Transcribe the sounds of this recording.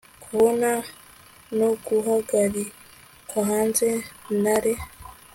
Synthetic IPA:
kʰuβona | noɡuɦaɡaɾi | kaɦaːnzenaɾe

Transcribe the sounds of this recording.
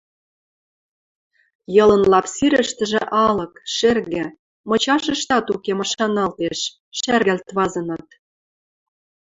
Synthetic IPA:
jɤ̆lɤ̆nlɑpsiɾə̆ʃt̪ə̆ʒĕʔɑlɤ̆kʃerɣɘ̆ | mɤ̆t͡ɕɑʃə̆ʃt̪ɑt̪ukemɑʃɑnɑlt̪eʃ | ʃærɣælt̪βɑzɤ̆nɤ̆t̪

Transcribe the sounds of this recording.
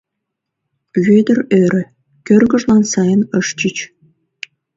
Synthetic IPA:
βed̪ərøɾə̆ | kørɣə̆ʒlɑnsɑjənəʃt͡ɕit͡ɕ

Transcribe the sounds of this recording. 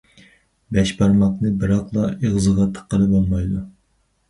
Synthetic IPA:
bɛʃbɑɾmɑqnɨbɨɾɑqlˠɑeʁzɨʁɑt̪ʰːə̥qːəlˠɨbolˠmɑjd̪u

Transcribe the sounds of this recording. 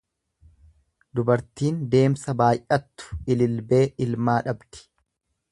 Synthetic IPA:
d̪ʊbɐɾt̪iːnd̪e̞ːmsɐbaːjʔɐt̪ːʊ̥ɪlɪlbe̞ːʔɪlmaːᶑɐbt̪ɪ̥

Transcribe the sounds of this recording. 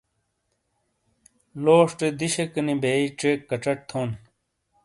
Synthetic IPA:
loːʂʈed̪iɕekɐnibeːiʈ͡ʂeːkːɐʈ͡ʂɐʈ̚t̪ʰoːn

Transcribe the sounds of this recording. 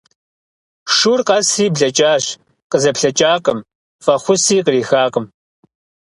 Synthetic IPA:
ʂurqɐsriːbɮɐt͡ʃʼaːɕ | qəzɐpɬɐt͡ʃʼaːqʼəm | fɐχʷʊsiːqəriːxaːqəm

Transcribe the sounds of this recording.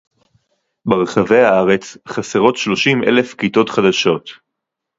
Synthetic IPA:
beʁeχave̞jaaʁe̞t͡sχaseʁo̞t̪ʃlo̞ʃimʔḛle̞fkit̪o̞t̪χad̪aʃo̞t̪

